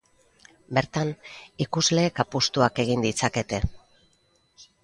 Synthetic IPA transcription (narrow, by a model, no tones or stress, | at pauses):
be̞ɾt̪anikuzle̞ːkapust̪uake̞ɣ̞ind̪it͡sake̞t̪e̞